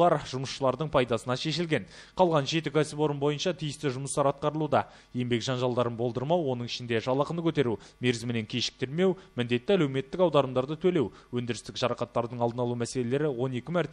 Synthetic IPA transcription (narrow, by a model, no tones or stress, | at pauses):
lˠɑɾʒʊməsʃəlˠɑɾd̪əɴpʰɑjd̪ɑsənɑʃe̞ʃɪlɡʲe̞n | qʰɑlˠʁɑnʒe̞t̪ɪkʲʰæsɪpo̞ɾəmbo̞jənʃɑt̪ʰijɪst̪ɪʒʊməst̪ɑɾɑt̪̚qɑɾəlˠud̪ɑ | je̞mbe̞kʒɑnʒɑlˠd̪ɑɾənbolˠd̪əɾmɑwːo̞nəɴɪʃɪnd̪e̞ʒɑlˠɑqənəkʲʰɵt̪e̞ɾume̞ɾzɪmɪne̞ŋkʲʰeʃɪ̥k̚t̪ɪɾme̞wmɪnd̪e̞t̪ːɪælewme̞t̪ːɪkɑwd̪ɑɾəmd̪ɑɾd̪ət̪ʰɵle̞w | wɵnd̪ɪɾɪst̪ɪkʒɑɾɑqɑt̪ːɑɾd̪əɴɑlˠənɑlˠumæse̞lele̞ɾɪwo̞ne̞kʲɪmæɾt̪